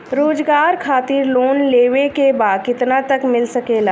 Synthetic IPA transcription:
ɾoːd͡ʒɡaːɾkʰaːt̪ɪɾloːnleːʋekebaːd̪̚kɪt̪nat̪ɐkmɪlsɐkeːlaː

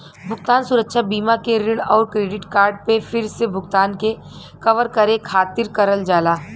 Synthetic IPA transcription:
bʱʊɡt̪aːnsʊɾəkʃʰabiːmakeɾɪɽɔːɾkɾeːɖɪʈkaːɾɖpefɪɾsebʱʊɡt̪aːnke | kɐʋəɾkɐɾekʰaːt̪ɪɾkɐɾəld͡ʒaːlaː

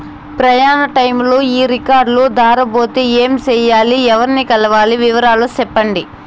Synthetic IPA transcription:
pɾɐjaːnɐʈɐjmloːiːɾikaːɾɖlud̪aːɾɐbo̞ːt̪eeːmt͡ʃɛːjaːliɛʋɐɾinikɐlɐʋaːliʋiʋɐɾaːlusɛpːɐɳɖi

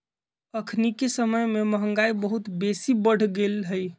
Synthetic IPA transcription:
əkʰnikesəməjmeməɦəŋɡaibəɦut̪besibəɽ̤ɡelɦəj

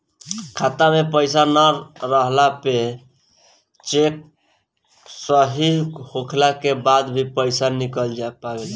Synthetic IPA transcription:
kʰat̪amepəjsanaɾɾəɦlape | t͡ʃek̚ | səɦiɦhokʰlakebad̪bʱipəjsanikəld͡ʒapaɡel

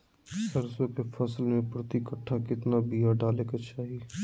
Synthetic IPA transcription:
sɐɾsõkefʰɐslmẽpɾɐt̪ikəʈʰːakɪt̪nabijaɖaːlekat͡ʃaːɦi

